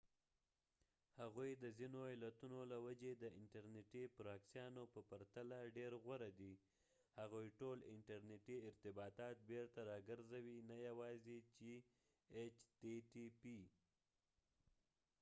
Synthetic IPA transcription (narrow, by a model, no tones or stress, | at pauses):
haɣujd̪əzinoelat̪unolawad͡ʒed̪əɪɳʈaɾneʈipɾɑksjɑnopəpaɾt̪alaɖeɾɣwaɾad̪i | haɣujʈolɪɳʈaɾneʈiɪɾt̪ɪbɑt̪ɑt̪̚beɾt̪aɾɑɡəɾzawinajawɑzit͡ʃe | et͡ʃteʈipi